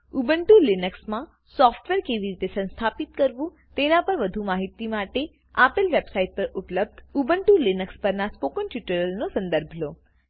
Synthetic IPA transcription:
ubəɳʈulinəksmã | sɔfʈʋeɾkeʋiɾit̪esə̃ñst̪ʰapit̪kəɾʋũ | t̪enapəɾʋəd̪ʱumaɦit̪imaʈe | apəlʋebsaiʈ̚pəɾupləb̚d̪ubəɳʈulinəkspəɾnaspokənʈjuʈəɾəlnosə̃nd̪əɾbʱlo

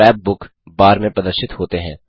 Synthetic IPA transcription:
ɛːb̚ːʊk | baːɾmẽpɐd̪əɾʃɪt̪ɦoːt̪eɦɛ̰̃ː

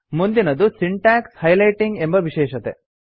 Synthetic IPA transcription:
mund̪inɐd̪usiɳʈaːkshɐjlɐjʈiŋɡembɐʋiʃɛːʃɐt̪e

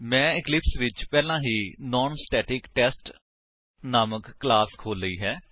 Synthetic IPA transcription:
mɛ̃ːɪklɪpsʋɪt͡ʃpɛːlãːɦiːnɔːnsʈɛːʈɪkʈɛːsʈ | naːməkːlaːskʰoːlːəiːɦɛː

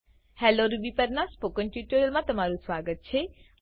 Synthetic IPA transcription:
hɛːloɾubipɐɾnaspoːkə̃nʈjuːʈəɾəlmãt̪ɐmaːɾusʋaːɡət̪̚t͡ʃʰe

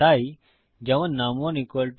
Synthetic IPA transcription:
aːi | d͡ʒəʋənːaːmõːniːkolʈ

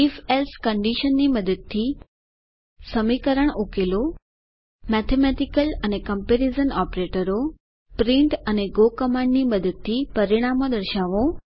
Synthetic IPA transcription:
ifelskəɳɖiʃənːiməd̪əd̪̚t̪ʰːi | səmikəɾəɽ̃ukelo | mɛt̪ʰemeʈikələnekəmpeɾizənɔpɾeʈəɾo | pɾĩɳʈəneɡokəmãɳɖniməd̪əd̪̚t̪ʰipəɾiɽ̃amõd̪əɾʃaʋõ

